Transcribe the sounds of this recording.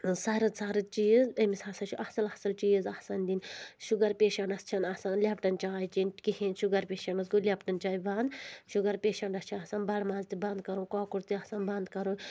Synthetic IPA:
saːɾɐt̪saːɾɨt̪̚t͡ʃiːzɐmisɐsɐnt͡ʃʰuʔɐhsɐlɐhsɐlt͡ʃiːzɐhsɐnd̪inʃuɡɐɾpeːʃɐɳɖɐst͡ʃʰɐnɐhsɐnlʲapʈɐnt͡ʃaːjt͡ʃinkihinʃuɡɐɾpeːʃɐɳɐsɡulʲapʈɐnt͡ʃaːibaːnd̪ʃuɡɐɾpʲeːʃɐɳɖɐst͡ʃʰiɐsɐnbɐɽmaːzt̪ibɐnd̪̚kɐɾũkɔːkuɾt̪iɐhsɐnbɐnd̪kɐɾu

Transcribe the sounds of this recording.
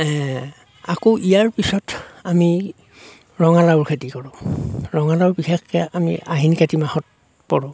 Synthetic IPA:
ɛ | akoʔijaɹpisɔtami | ɹɔŋalauɹkʰetikɔɹɔ̃ɹɔŋalaʊɹbixɛxːɛamḭʔaɦinkatimahɔt̚ | pɔɹɔ̃

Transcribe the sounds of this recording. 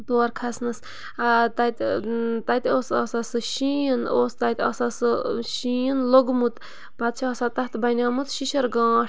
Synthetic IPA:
d̪oːɾkʰɐsnɐs | t̪ɐt̪t̪ɐt̪osɐsɐsɨʃinoːst̪ɐt̪ʰʲɐsɐsɨʃiːnloɡmut̪ | pɐt̪̚t͡ʃʰaɐsat̪ɐɦt̪bɐnʲaːmut̪ʃiʃɐɾɡãː

